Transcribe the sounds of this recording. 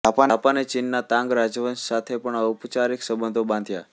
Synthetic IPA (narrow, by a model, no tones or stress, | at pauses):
apaapanet͡ʃinːat̪ãŋɡɾad͡ʒʋənssat̪ʰepəɳaupt͡ʃaɾiksəbə̃nd̪ʱobãnd̪ʱja̰